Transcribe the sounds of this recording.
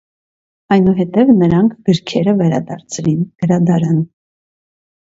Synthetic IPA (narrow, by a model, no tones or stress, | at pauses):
ɑjnuɦɛt̪ɛvnəɾɑŋkʰɡ̥əɾkʰɛɾəvɛɾɑ̰d̪ɑ̰ɾt͡sʰɾinɡ̥əɾɑd̪ɑɾɑn